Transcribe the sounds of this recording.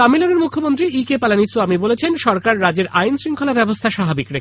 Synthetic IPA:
amiloneɾmukʰːomont̪ɾiikepalanisuamibolet͡ɕʰenʃɔɾkaɾːad͡ʑeɾʔajnsɾiŋkʰolabɛbost̪ʰaʃabʱabikɾe

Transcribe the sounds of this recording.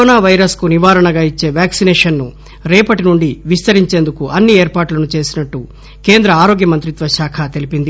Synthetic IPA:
koːnaːʋɐjɾɐskuniʋaːɾɐɳɐɡaːit͡ʃːe̞ːʋaːksinɛːʂɐnːu | ɾɛːpɐʈinuɳɖiʋist̪ɐɾiɲt͡ʃe̞ːnd̪ukuʔɐnːieːɾpaːʈlɐnut͡ʃe̞ːsinɐʈːu | ke̞ːnd̪ɾɐaːɾo̞ːɡjɐmɐnt̪ɾit̪ʋɐʃaːkʰɐt̪e̞lipind̪i

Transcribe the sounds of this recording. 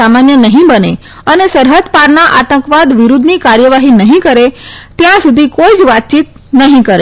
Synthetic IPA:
amanjənəɦĩbəne | ənesəɾɦəd̪paɾnaʔat̪ə̃ŋkʋad̪ʋiɾud̪ʱnikaɾjəʋaɦinəɦĩkəɾet̪jãsud̪ʱikoid͡ʒʋat̪̚t͡ʃit̪̚ | nəɦĩkəɾe

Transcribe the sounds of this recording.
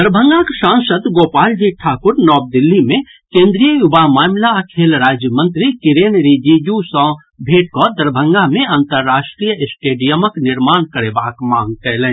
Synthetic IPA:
d̪əɾbʱə̃ŋɡakʃãːnsəd̪ɡoːpaːld͡ʒiʈʰaːkʊɾnɔːb̚d̪ɪlːimẽ | kẽːnd̪ɾijəjʊbamaːmlakʰeːlɾaːd͡ʒjəmə̃nt̪ɾikɪɾeːnɾiːd͡ʒijusɔ̃ː | bʱeːʈ̚kɔd̪əɾbʱə̃ŋɡamẽə̃nt̪əɾːaːʃʈɾijəɪsʈeːɖijəməknɪɾmaːnkəɽebaːkmãːŋɡk̪ɛːlẽ

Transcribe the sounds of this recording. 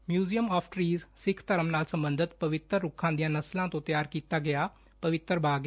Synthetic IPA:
mjuːzijəmɔːpʰʈɾiːzsɪkʰt̪əɾəmnaːlsəmbənd̪ʱɪt̪pəʋɪt̪ɾːʊkʰːãːd̪ijãːnəslãːt̪õːt̪ɪjaːɾkiːt̪aːɡɪjaː | pəʋɪt̪əɾbaːɡ

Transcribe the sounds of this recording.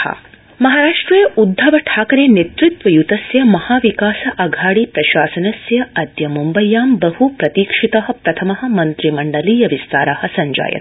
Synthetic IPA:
ɐ̰ | mɐɦaːɾaːʂʈɾijɐʔud̪ʱːɐʋɐʈʰaːkɐɾeːnet̪ɾit̪ʋɐjut̪ɐsjɐmɐhaːʋikaːsɐʔɐɡʱaːɽiːpɾɐʃaːsɐnɐsjɐɐd̪jɐmumbɐjːaːmbɐhupɾɐt̪iːkʂit̪ɐɦɐ̆pɾɐt̪ʰɐmɐɦɐ̆mɐnt̪ɾimɐɳɖɐliːjɐʋist̪aːɾahɐsɐɲd͡ʒa̰ːjɐ̰t̪

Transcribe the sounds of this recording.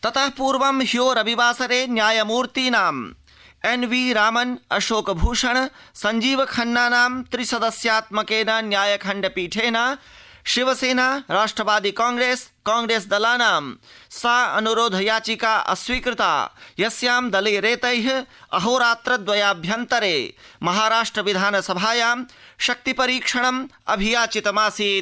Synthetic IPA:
t̪ɐt̪ɐɦpuːɾʋɐmɦjoːɾɐbiʋaːsɐɾeːnjaːjɐmuːɾt̪iːnaːm | enʋiːɾaːmɐnɐʃoːkbʱuːʂɐɳ̃ | sɐɲd͡ʒiːʋɐkʰɐɳːaːnaːmt̪ɾisɐd̪ɐsjaːt̪mɐkeːnɐnjaːjɐkʰɐ̃ɳɖɐpiːʈʰeːnaː | ʃiʋɐseːnaːɾaːʂʈɾɐʋaːd̪iːkãːŋɡɾeːskãːŋɡɾeːsd̪ɐlaːnaːmsaːɐ̰nuɾoːd̪ʱɐjaːt͡ʃikaːʔɐ̰swiːkɾɪt̪a̰ːjɐsjaːmd̪ɐleːɾeːt̪ɐjɦɐ̰ɦoːɾaːt̪ɾɐd̪ʋɐjaːbʱjɐnt̪ɐɾeːmɐɦaːɾaːʂʈɾɐʋid̪ʱaːnɐsɐbʱaːjaːm | ʃɐk̚t̪ipɐɾiːkʂɐɳ̃ɐmɐ̰bʱijaːt͡ʃit̪ɐmaːsiː

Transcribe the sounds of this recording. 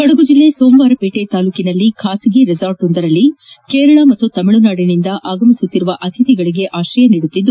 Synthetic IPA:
kɐɽɐɡud͡ʒilːe̞soːmʋaːɾɐpeːʈe̞t̪aːluːkinɐlːikʰaːsiɡeɾid͡ʒaːɾʈond̪ɐɾɐlːikeːɾɐɭɐmɐt̪ːut̪ɐmiɭunaːɽinind̪ɐʔaːɡɐmisut̪ːiɾuʋɐʔɐt̪ʰit̪iɡɐɭiɡe̞ʔaːʃɾɐjɐniːɽut̪ːid̪ːu

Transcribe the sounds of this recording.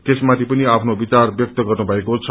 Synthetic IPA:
t̪esmat̪ʰipʌniapʰnobit͡sarbjʌk̚t̪ʌɡʌrnubʱʌekot͡sʰ

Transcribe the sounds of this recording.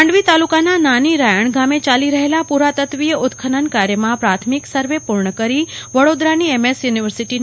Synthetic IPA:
ɳɖʋit̪alukanananiɾajəɳɡamet͡ʃaliɾəɦelapuɾat̪ət̪ʋijəʔʊt̪kʰənənkaɾjəmãpɾat̪ʰmiksəɾʋepuɾɳəkəɾiʋəɽod̪ɾaniɛmesjuniʋəɾsiʈin

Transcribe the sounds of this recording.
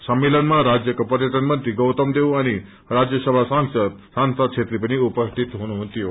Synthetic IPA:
səmːelənmãɾad͡ʒjəkəpəɾjəʈ̪ənmə̃nt̪ɾiɡowt̪əmd̪eʋane | ɾad͡ʒjəsəbʱasaŋssãnsat͡ʃʰet̪ɾipəniupəsʈ̪ʰit̪ɦonũɦt̪io

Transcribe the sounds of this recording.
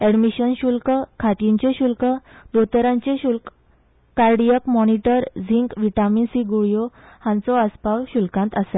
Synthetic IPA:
ɛɽmiɕənɕulkəkʰaʈiɲt͡ɕeɕulkəd̪ot̪əɾãɲt͡ɕeɕulk | kaɾɖijəkmɔniʈəɾd͡ziŋkʋiʈaminsiɡuɭjohãnt͡sɔəspawɕulkãnt̪əse

